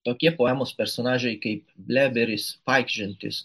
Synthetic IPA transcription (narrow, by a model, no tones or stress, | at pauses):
t̪oːkʲiɛpoːɛmoːspʲɛɾsoːnɑːʒʲɛɪkɐɪp̚bʲlʲæːbʲɛɾʲɪspɑˑɪkʲʃʲɪnʲt̪ʲɪ̰s